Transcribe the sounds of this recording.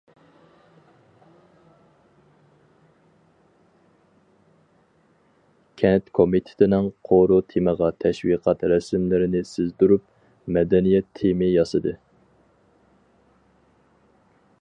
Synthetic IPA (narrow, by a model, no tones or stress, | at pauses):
kʲʰɛnt̪kʰomit̪ʰɪ̥t̪ʰɪnɪŋqʰoɾut̪ʰeməʁɑt̪ʰɛʃwiqʰɑt̪ɾɛsmlɪɾɪnɪsɪzd̪uɾup̚ | mɛd̪ɛnijɛt̪ʰːemɪjɑsɨd̪ɨ